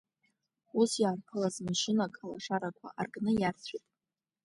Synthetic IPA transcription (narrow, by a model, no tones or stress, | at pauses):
usjaːrqʰəlazmaʃɪnakʼalaʂaɾakʷʰa̰ʔarɡʼnɨjart͡sʷʰitʼ